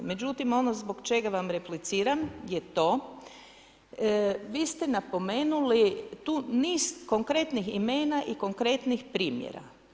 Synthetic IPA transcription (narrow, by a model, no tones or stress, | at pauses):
me̞d͡ʑut̪imo̞nozboɡt͡ʃe̞ɡaʋamɾeplit̪siːɾamjet̪o̞ː | ʋiːst̪enapo̞me̞ːnulit̪uːniːzko̞ŋkɾe̞t̪nixime̞ːnaʔiko̞ŋkɾe̞t̪nixpɾiːmjḛɾa̰